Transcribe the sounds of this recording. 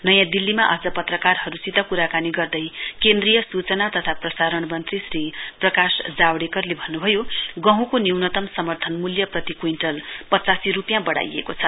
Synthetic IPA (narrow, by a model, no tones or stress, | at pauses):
nʌjãd̪ilːimaʔʌd͡zʌpʌt̪rʌkarɦʌɾusit̪ʌkuɾakaniɡʌrd̪ʌjkend̪rijʌsut͡sʌnat̪ʌt̪ʰaprʌsaɾʌɳmʌnt̪risriprʌkasd͡zawɽekʌrlebʱʌnːubʱʌjoɡʌɦũkoniwnʌt̪ʌmsʌmʌrt̪ʰʌnmuljʌprʌt̪ikuinʈʌlpʌt͡sasiɾupjãbʌɽa̰jḛkot͡sʰʌ